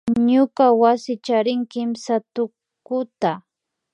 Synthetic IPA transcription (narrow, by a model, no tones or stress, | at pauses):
ɲʊkawasɪt͡ʃaɾɪŋkɪmsat̪ʊ | kʊt̪a